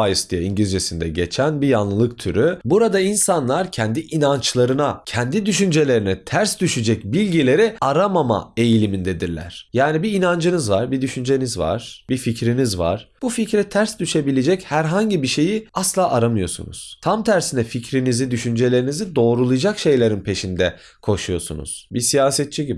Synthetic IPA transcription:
ajɯsd̪ijaiɲɟlʲd͡ʒesind̪ɛ̰ɟe̞̰t͡ʃʰænbijanlˠɯlˠɯk̚t̪ʰy̰ɾybuɾad̪ainsanlˠaɾcʰɛnd̪iʔinant͡ʃlˠaɾɯnacʰɛnd̪id̪yʃynd͡ʒe̞lʲe̞ɾinɛt̪ʰæɾsd̪yʃyd͡ʒɛcbilʲɟilʲe̞ɾiaɾamama̰e̞jilʲimind̪ed̪iɾlʲæ̰ɾ̥jaːnibiːnand͡ʒɯnɯzvaɾbid̪yʃynd͡ʒe̞nizva̰ɾ̥bificɾinizva̰ɾ̥b̥uficɾɛt̪ʰæɾsd̪yʃe̞bilʲe̞d͡ʒɛchæɾɦaɲɟibiʃe̞jiaslˠaːʔaɾamɯjo̞̰sṵnṵz̥t̪ʰamt̪ʰæɾsinɛficɾinizid̪yʃynd͡ʒe̞lʲe̞ɾinizid̪o̞ːɾulˠɯd͡ʒakʃe̞jlʲe̞ɾinpʰe̞ʃind̪ɛ | kʰo̞ʃujo̞̰sṵnṵz̥bisijaːsɛt̪̚t͡ʃʰiɟibi

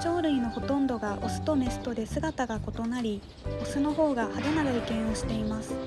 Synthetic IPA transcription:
t͡ɕo̞ːɾɯ̟ino̞ho̞t̪õ̞nd̪o̞ɡaʔosɨ̥t̪o̞me̞sɨ̥t̪o̞d̪e̞sɨɡat̪aɡako̞t̪o̞naɾʲi | o̞sɨno̞ɦo̞ːɡahad̪anaɡaikẽ̞ɰ̃o̞ɕi̥t̪e̞imasɨ̥

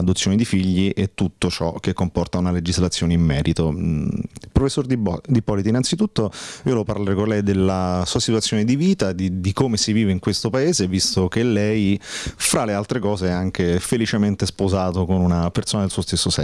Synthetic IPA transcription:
ad̪ot̪sːjoːnid̪ifiʎːiʔet̪ːut̪ːot͡ʃɔ̰k̟ekːompɔrt̪aunaled͡ʒizlat̪sːjoːneimːɛːɾʔit̪o | pɾofesːord̪ipɔlit̪inːansit̪ut̪ːoiːolɛpaɾlaɾɛkonlɛjd̪elːasuːasit̪wuat̪sːjoːned̪iviːt̪ad̪id̪ikomesiviːveiŋkwest̪opaeːzevːist̪ok̟elːɛjfɾalealt̪ɾekɔːzeɛaŋkefelit͡ʃement̪espozaːt̪okonunapertsoːnad̪elsuːost̪esːosɛ̰

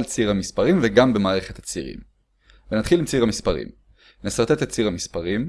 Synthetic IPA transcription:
lt͡siʁhamispaʁimveɡambe̞maːʁe̞χe̞t̪at͡siʁḭm | venat̪χilimt͡siʁamispaʁḭm | nesaʁt̪et̪at͡siʁhamispaʁim

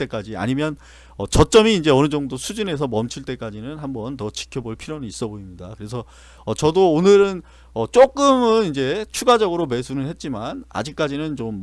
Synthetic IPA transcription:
ek͈ad͡ʑia̰ɲimjʌn | ʌt͡ɕʌt͡ɕ͈ʌmiːnd͡ʑe̞ʌnɯd͡ʑʌŋdosʰud͡ʑine̞sʰʌmʌmt͡ɕʰiɭt͈e̞k͈ad͡ʑinɯnɦambʌntʌt͡ɕi̥kʰjʌboɭpʰiɾjonɯnis͈ʌboimɲidakɯɾe̞sʰʌː | t͡ɕʌdoːnɯɾɯn | ʌt͡ɕ͈ok͈ɯmɯnind͡ʑe̞t͡ɕʰuɡad͡ʑʌɡɯɾome̞sʰunɯnhe̞t̚t͡ɕ͈imana̰d͡ʑik̚k͈ad͡ʑinɯnt͡ɕomː

